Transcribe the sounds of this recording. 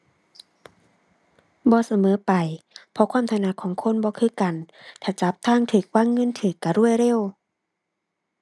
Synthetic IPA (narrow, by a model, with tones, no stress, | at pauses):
bɔː˧˦sa˧mɤː˨˦pa˨jpʰɔ˧kʰwaː˧˥˨mt̪ʰa˧na˧˨kʰɔː˨˦ŋkʰo˧˥˨nbɔː˧˦kʰɯː˧˥˨ka˨˩n | t̪ʰaː˧˩t͡ɕa˧˦p̚t̪ʰaː˧˥˨ŋt̪ʰɯː˨˩k̚waː˧˥˨ŋːɤ˧˥˨nt̪ʰɯː˨˩˦kːa˧˩ɾu˥˩əjɾe˧˥˨w